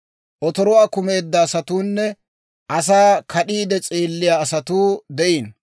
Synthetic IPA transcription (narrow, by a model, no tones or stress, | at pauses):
ʔɔt̪ɔɾɔwaːkʊmeːd̪ːɐːsɐt̪uːnːɛ | ʔɐs̬aːkʰɐɗiːd̪ɛt͡sʼeːlːɪjaːsɐt̪uːd̪ɛʔiːn